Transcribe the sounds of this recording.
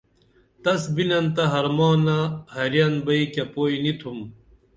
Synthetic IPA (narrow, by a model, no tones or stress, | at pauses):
t̪ɐsbinɐnt̪ɐɦɐɾmɑːnɐhɐɾjɐnbɐikɐpoːinit̪ʰum